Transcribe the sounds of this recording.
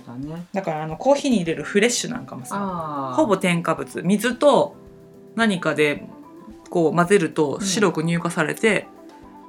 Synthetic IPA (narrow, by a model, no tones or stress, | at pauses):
d̪akaɾaːno̞kʰo̞ːçiɲ̟iːɾe̞ɾɯ̟ɸɯ̟ɾe̞ɕːɨnã̰ŋkamosaho̞bo̞t̪ẽ̞ŋkabɯt͡sɨmʲizɨt̪o̞ | naɲ̟ikad̪e̞ | ko̞ːmaze̞ɾɯ̟t̪o̞ɕiɾo̞kɯ̟ɲ̟ʲɨːkasaɾe̞̰t̪e̞